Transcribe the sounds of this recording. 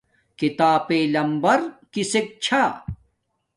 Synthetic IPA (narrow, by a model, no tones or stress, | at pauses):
kit̪aːpeːlɐmbɐɾkisek̚t͡ɕʰaː